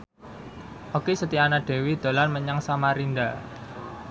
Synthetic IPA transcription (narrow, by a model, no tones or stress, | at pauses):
ʔokesət̪ianaɖ̪̥e̤wid̪̥o̤lanməɲaŋsamaɾind̪a